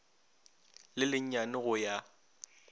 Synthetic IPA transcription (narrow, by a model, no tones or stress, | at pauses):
lɪlɪɲ̩ɲanɪɣʊja